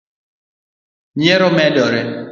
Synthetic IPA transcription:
ɲɛɾɔmɛdɔɾɛ

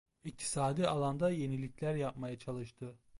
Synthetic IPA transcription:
ik̚t̪ʰi̥saːd̪ialˠand̪aje̞nilʲicʰlʲæɾjap̚majat͡ʃʰalˠɯʃt̪ʰɯ

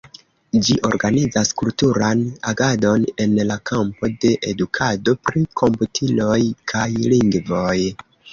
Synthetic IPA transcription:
d͡ʒiʔo̞̰ɾɡanid͡zaskultuɾanaɡado̞ne̞nlakʰampo̞de̞ʔedukʰado̞pɾikʰo̞mputʰilo̞jkʰajliŋɡvo̞j

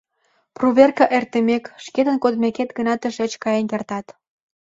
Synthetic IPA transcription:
pruβerkɑʔert̪əmekʃket̪ənkod̪meket̪ɡənɑt̪ə̆ʃet͡ɕkɑjenkert̪ɑt̪

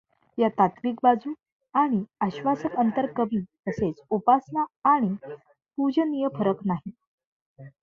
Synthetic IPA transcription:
jat̪at̪ʋiːk̚bad͡zuː | aɽ̃iaɕʋasəkənt̪əɾkəbiː | əset͡supasnaːɽ̃i | pud͡ʑənijəfʰəɾəknaɦi

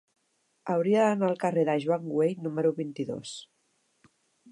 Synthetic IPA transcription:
əwɾiəðənaəlˠkəreðəʒwaŋɡwejnuməɾuβint̪iðo̰s

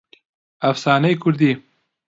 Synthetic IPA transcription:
afsɑːnəjkʊɾd̪i

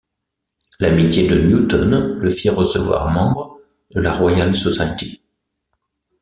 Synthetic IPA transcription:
lamit̪jed̪ənjut̪ɔnləfiʁəsəvwa̰ʁmɑ̃bʁə | d̪əlaʁwajalsɔsajt̪i

